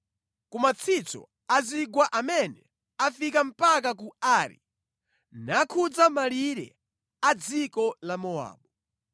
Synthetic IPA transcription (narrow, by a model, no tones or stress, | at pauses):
kumat͡sʰit͡sɔ̰ | aziɡwaʔamɛnɛ | afikam̩pak̬ak̬uaɾḭ | nakʰud͡zamaliɾɛ̰ | ad͡zikɔlamɔa̰ːɓu